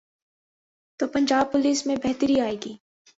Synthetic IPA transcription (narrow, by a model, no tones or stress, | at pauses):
t̪oːpɐ̃ɲd͡ʒaːb̚pʊliːsmẽbɛɦt̪əɾiaːeːɡiː